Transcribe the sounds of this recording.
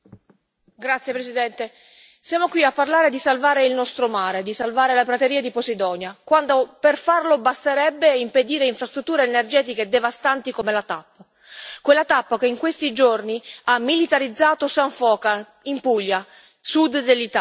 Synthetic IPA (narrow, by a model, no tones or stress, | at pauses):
ɡɾat̪sjepɾesid̪ɛnt̪e | sjaːmokwiapːarlaːɾed̪isalvaːɾeilnɔst̪ɾomaːɾed̪isalvaːɾelapɾat̪eɾiːad̪iposid̪ɔːnjakwand̪operfarlobast̪eɾɛbːeimped̪iːɾeiɱfɾast̪ɾut̪ːuːɾeːnerd͡ʒɛːt̪iked̪ːevast̪ant̪ikomelat̪apːa | kwelːat̪apːakeiŋkwest̪id͡ʒorniamːilit̪aɾid̪zːaːt̪osaɱfɔːka | impuʎːa | sud̪ːelːit̪a